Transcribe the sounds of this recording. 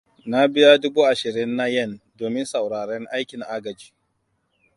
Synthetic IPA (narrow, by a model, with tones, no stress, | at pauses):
na˦bɪ˦ja˦dʊ˦buː˦ʔa˨ʃɪ˨ɾɪ˦nːa˦jɐ˦˨ndoː˨mɪ˦nsa˨wɽaː˨ɽɛ˦ŋʔa˦jkʲɪ˨ŋʔaː˦ɡɐ˨d͡ʒi̥ː˦